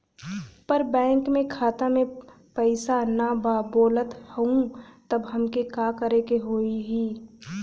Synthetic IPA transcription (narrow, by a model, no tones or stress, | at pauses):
pəɾbɛ̃ːŋkmẽkʰaːt̪amẽ | pəɪsanababoːlət̪hũt̪ɐbɦɐmkekaːkəɾekeɦoːiɦiː